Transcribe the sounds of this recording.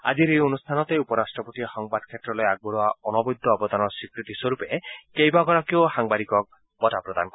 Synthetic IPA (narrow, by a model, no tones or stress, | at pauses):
a̰d͡ʒiɾejonust̪ʰanɔt̪eupɔɾasʈɾɔpɔt̪ihɔŋbaʈ̚kʰet̪ɾɔlɔjaɡ̚bɔɾɔaɔnɔbɔjd̪ʱːɔbɔd̪anɔsikɾit̪iswɔɾupekejbaɡɔɾakiohaŋbaɾikɔk̚ | bɔtapɾɔd̪a̰nɔkɔ